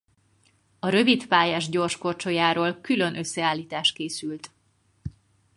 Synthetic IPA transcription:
ɒɾø̞vit̪paːjaːʒɟo̞rʃko̞rt͡ʃojaːɾoːlkylø̞nʔø̞sːɛaːlːiːt̪aːʃt̪̚keːsylt̪

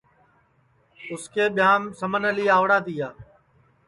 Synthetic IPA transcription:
ʊskʰeːɓɪjãːmsəmənəliːaːʋɽaːt̪iːjaː

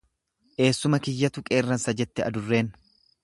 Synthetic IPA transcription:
ʔe̞ːsːʊmɐkɪjːɐt̪ʊkʼe̞ːrːɐnsɐd͡ʒɛt̪ːɛɐd̪ʊrːe̞ːn

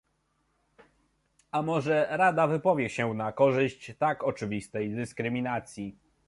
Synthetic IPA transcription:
ʔamɔʐɛɾad̪avɘpɔvʲjɛɕɛnakɔʐɘɕt͡ɕt̪akɔt͡ʂɘvʲist̪ɛjd̪ɘskɾɘmʲinat̪sʲji

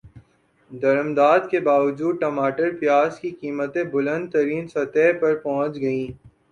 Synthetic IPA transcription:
d̪ɐɾəmd̪aːd̪kebaːʋɐd͡ʒuːd̪̚ʈɐmaːʈəɾpijaːzkikiːmət̪ebʊlə̃nd̪̚t̪ɐɾiːnsɐt̪ɛɦpɐɾpɔ̃ɦʊ̃t͡ʃɡɐĩː

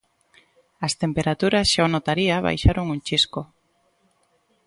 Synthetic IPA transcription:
ast̪empeɾat̪uɾasʃaonot̪aɾiaβa̰jʃaɾoŋuŋt͡ʃisko

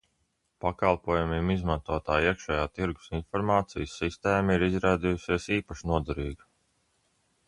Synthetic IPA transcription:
pakalˠpuɔːjumiːmizmant̪uɔt̪aːiɛkʃɛjaːt̪iɾɡu̥sinfɔɾmaːt̪sḭjsːist̪eːmaiɾizɾaːd̪iːjusiɛsiːpaʃnuɔd̪ɛɾiːɡi

